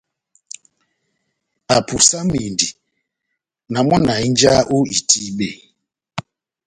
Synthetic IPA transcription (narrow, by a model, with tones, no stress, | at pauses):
a˨pu˨sa˦mi˨ndi˨ | na˨mɔ˦na˨i˦n˦d͡ʒa˦ʔo˦i˨ti˦ɓe˦˨